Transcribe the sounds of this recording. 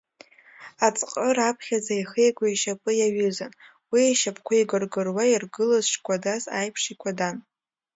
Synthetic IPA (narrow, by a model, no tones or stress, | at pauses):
at͡sʼqʼərapʰχʲazaiχejkʷʼaiʃapʼɨjaɥʏzan | wiaʃapʰʼkʷʰajɡɨrɡɨrwairɡɨlazʃkʷʼadaza̰jpʰʂikʷʰadan